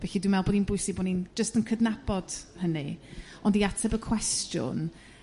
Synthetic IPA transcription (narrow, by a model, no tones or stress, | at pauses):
vɛɬidwimɛlˠbɔːdinbʊɨsɪbɔnind͡ʒəstənkʰədnab̥ɔd̥həni | ɔndiatʰɛbəkʰw̥ɛstjʊ̰n